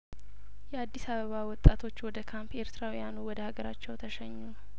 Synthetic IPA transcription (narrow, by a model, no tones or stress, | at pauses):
jɛad̪ːisaβəβawɔt̪ʼːat̪ʰo̞t͡ʃːwɔd̪əkʰampe̞ɾt̪ɾawujanuwɔd̪əhaɡəɾat͡ʃːɛwt̪ʰəʃɛɲːu